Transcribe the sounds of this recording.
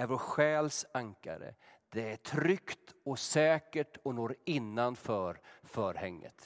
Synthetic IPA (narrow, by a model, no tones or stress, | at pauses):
æɾvɔɧɛːlsaŋka̰ɾə̰d̪̥ɛæʈʰɾʏkt̪ɔsɛːkəʈʰɔnuːɾɪnːanfœːɾfœːɾhɛŋːə̰t̪